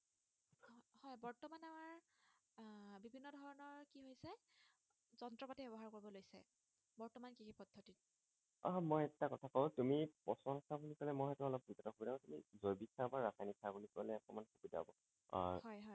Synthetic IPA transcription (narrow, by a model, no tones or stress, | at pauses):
hɔjbɔɹtɔmanamaɹ | bibʱinːɔdʱɔɹɔnɔɹkiɦojsɛ | zɔntɹɔpatibɛbɔɦaɹkoɹibɔlojsɛ̰ | bɔɹtɔmankikipɔdʱːɔtit̚ | amojɛtːakɔtʰakɔtumipɔsɔnsabunikɔlɛmɔjɦɛtuɔlɔp̚duzɔtɔxubidabɔtumḭzojbikːabaɹasaniksabunikualɛɔkɔmanxubida̰bɔ | hɔjɦɔj